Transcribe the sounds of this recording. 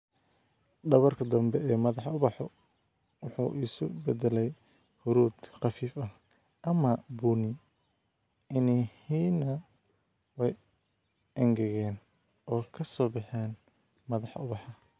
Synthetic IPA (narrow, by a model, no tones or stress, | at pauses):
ɖɐβɐrkʰɐd̪ɐmbɛɛːmɐðɑħʊβɑħɔ̰ | wʊħṵːʔiːsʊbɛd̪ɛlɛj | hʊɾuːd̪qɑfiːfɐh | ʔɐmɐbuːnɪ | ɪnihiːnɐ | wɛj | ʔɐŋɡɛɣɛːn | ʔɔːkʰɐsɔːbɪħɛːn | mɐðɑħʊβɑħɐ